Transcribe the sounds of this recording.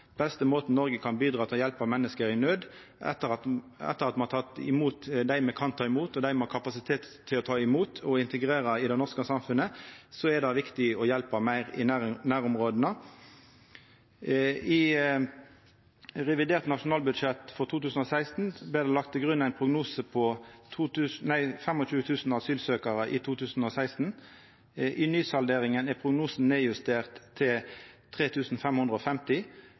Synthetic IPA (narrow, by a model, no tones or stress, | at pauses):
b̥ɛst̪əmoːt̪n̩nɔʁɡəkʰɑnbiːd̪ʁɑːt̪ʰɪljɛlpɑʋmɛnːəskəɾɪnøːd̪ | ʔɛ̰t̪ːəɑɛ̰t̪ːəʁɑt̪mɑnɑt̪ʰɑt̪ɪ̰muːt̪d̪æɪmɛkʰɑnt̪ʰɑːɪmuːt̪ɔd̪æɪmɛhɑkʰɑpɑsɪt̪ʰeːt̪ʰːɪlɔt̪ʰɑːɪmuːt̪ʰɔɪnt̪əɡʁeːʁɑɪd̪ɛɪnɔʁskəsɑmfʉnəsɔɛd̪ɑʋɪkt̪ɪɔjɛlpɑmæɪʁɪ̰nænæːʁʊmʁoːd̪ənə | ɪ | ʁɛʋɪd̪eːʁt̪nɑʃʊnɑːlbʉd̪ʃɛt̪fɔʁt̪ʰuːt̪ʉːsn̩ɔsæɪst̪n̩blɪːd̪ɛːlɑk̚t̪ʰɪɡʁʉnæɪnpʰʁʊɡnuːsəpʰɔt̪ʰuːt̪ʉːsnæɪfɛmɔt͡ʃʉːət̪ʰʉːsn̩ɑsyːlsøːkɑʁəʔɪt̪ʰuːt̪ʰʉːsn̩ɔsæɪst̪n̩ | ʔɪnyːsɑld̪eːʁɪŋənɛpʰʁʊɡnuːsn̩neːjʉst̪eːʁt̪ʰːɪlt̪ʰʁeːt̪ʰʉːsn̩fɛmhʉnd̪ʁəɔfɛmt̪ɪ